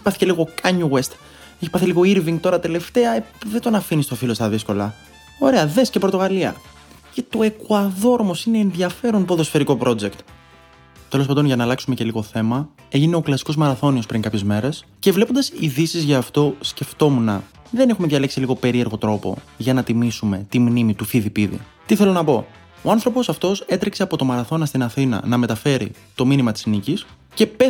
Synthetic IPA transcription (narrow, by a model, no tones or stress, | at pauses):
pɐθice̞liɣo̞kɐɲuwest̪ | eçipɐθiliɣo̞iɾviŋɡ̚t̪o̞ɾɐt̪e̞le̞ft̪eɐeðet̪onɐfinist̪o̞filo̞st̪ɐðisko̞lɐ | o̞ɾe̞ɐðescepɾot̪o̞ɣɐliɐ̰ | cet̪o̞e̞kuɐðo̞ɾomo̞sineːnðʝɐfe̞ɾonpoðo̞sfe̞ɾiko̞pɾo̞d͡ze̞kt̪ | t̪elopɐnd̪onʝɐnɐːlɐksume̞ce̞liɣo̞θe̞mɐ | eʝine̞o̞klɐsi̥ko̞zmɐɾɐθo̞niospɾiŋkɐpçe̞zme̞ɾe̞scevlepo̞nd̪ɐsiðisizʝɐːft̪o̞sce̞ft̪o̞munɐ | ðe̞ne̞xumeðʝɐleksiliɣo̞pe̞ɾie̞ɾɣo̞t̪ɾo̞po̞̰ | ʝɐnɐt̪imisume̞t̪imnimit̪uθiðipiðḭ | t̪iθe̞lo̞nɐpo̞ | o̞ɐnθɾo̞po̞sɐft̪o̞se̞t̪ɾikse̞ɐpo̞t̪o̞mɐɾɐθo̞nɐst̪inɐθinɐ̰nɐme̞t̪ɐfe̞ɾḭt̪o̞minimɐt̪i̥snicis | ce̞pe